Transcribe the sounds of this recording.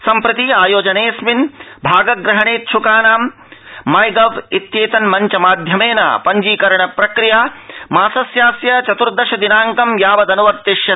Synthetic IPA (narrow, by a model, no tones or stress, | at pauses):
sɐmpɾɐt̪iaːjoːd͡ʒɐneːsminbʱaːɡɐɡɾɐɦɐɳeːt̪ʃʰukaːnaːmː | ɐjɡɐʋit̪jeːt̪ɐnmɐɲt͡ʃɐmaːd̪ʱjɐmeːnɐ̰pɐɲd͡ʒiːkɐɾɐɳɐpɾɐkɾijaːmaːsɐsjaːsjɐt͡ʃɐt̪uɾd̪ɐʃɐd̪inaːŋkɐmjaːʋɐd̪ɐnuʋɐɾt̪eʃjɐ